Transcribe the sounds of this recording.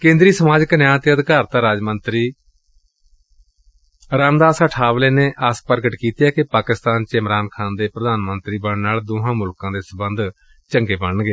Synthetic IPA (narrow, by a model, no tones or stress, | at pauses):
kẽːnd̪ɾiːsəmaːd͡ʒknjãːt̪eːəd̪ɪkaːɾt̪ãːɾaːd͡ʒmənt̪ɾiː | ɾaːmd̪aːsəʈʰaːʋleːneːʔəspəɾɡəʈkiːt̪jaːkɪpaːkɪst̪aːnt͡ʃɪmɾaːnkʰaːnd̪eːpɾəd̪aːnmənt̪ɾiːbəɽnaːld̪ʊɦãːmʊlkãːd̪eːsəbənd̪ | t͡ʃəŋɡeːbəɳɡeː